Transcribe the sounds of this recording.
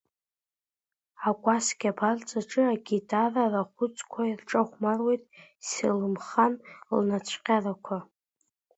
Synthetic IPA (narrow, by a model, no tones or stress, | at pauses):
akʷʼasɡʲapʰart͡sʼaʈ͡ʂʼɨaɡʲitʰʼararaχʷʊt͡sʼkʷʰairʈ͡ʂʼaχʷmarwe̞jtʼsilɨmχanlnat͡ɕʷʰqʲʼarakʷʰa